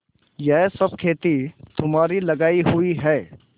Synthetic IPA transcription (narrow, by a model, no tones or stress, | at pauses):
jɛɦsɐb̚kʰeːt̪it̪ʊmaːɾilɐɡaːiɦʊiɦɛː